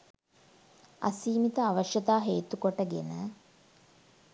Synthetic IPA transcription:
ɐ̰siːmit̪əaʋəʃjɐt̪aːɦeːt̪ukoʈəɡenə

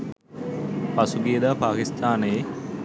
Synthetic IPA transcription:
pasuɡeːd̪aːpaːkist̪aːnəje

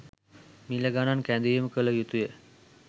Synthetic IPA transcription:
miləɡanankænd̪ujeməkələjut̪ujə

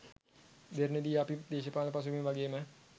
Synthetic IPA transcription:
d̪eɾned̪iɐpid̪eːʃəpaːləpɐs̬umeʋaɡejəmə

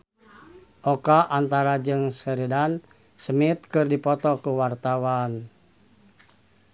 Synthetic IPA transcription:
ʔɔkaʔant̪aɾad͡ʒɨŋsəɾidan | səmit̪̚kɨrdipɔt̪ɔkuwart̪awan

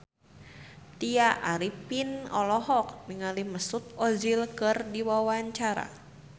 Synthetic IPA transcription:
t̪iaʔaɾipinɔlɔɦɔk̚miŋaliməsut̪̚ɔzilkɨrdiwawaɲt͡ʃaɾa̰

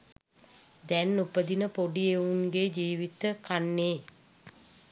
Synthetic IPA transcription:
d̪ɛnːupəd̪inəpoɖieunɡeːd͡ʒiːʋit̪əkanːeː

